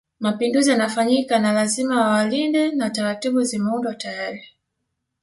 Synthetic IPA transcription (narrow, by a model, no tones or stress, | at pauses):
mapinduzijanafaɲikanalazimawawalindɛnataɾatiɓuzimɛundwatajaɾi